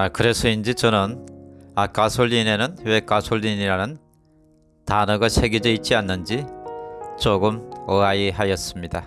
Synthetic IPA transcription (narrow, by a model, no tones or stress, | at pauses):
kɯɾe̞sʰʌind͡ʑit͡ɕʌnɯnak͈asʰoʎːine̞nɯnwe̞kasʰoʎːiniɾanɯn | tanʌɡasʰe̞ɡid͡ʑʌit̚t͡ɕ͈ianːɯnd͡ʑi | t͡ɕoɡɯmɯaiɦajʌs͈ɯmɲida